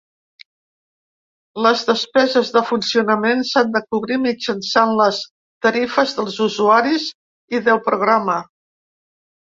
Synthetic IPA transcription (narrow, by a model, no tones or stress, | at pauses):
ləzðəspɛzəzðəfunsiunəmensand̪əkuβɾimid͡ʒənsanləs | t̪əɾifəzðəlˠzuzuaɾiz | iðəlˠpɾuɣ̞ɾamə